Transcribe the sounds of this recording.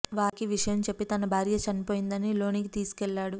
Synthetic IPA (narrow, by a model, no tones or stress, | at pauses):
ʋaːkiʋiʂɐjɐmt͡ʃe̞pːit̪ɐnɐbʱaːɾjɐt͡ʃɐnipo̞ːjind̪ɐnilo̞ːnikit̪iːsu̥kɛlːaːɽu